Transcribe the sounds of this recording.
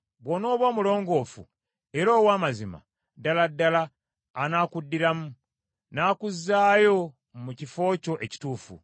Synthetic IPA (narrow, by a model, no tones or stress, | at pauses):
βwono̞ːβwoːmulo̞ːŋɡo̞ːfṵ | e̞ɾo̞ːwaːmazima̰ | daladːalaː | naːkudːiɾamu | naːkuzːaːjo̞ | mucifo̞ːco̞ʔe̞ci̥tuːfṵ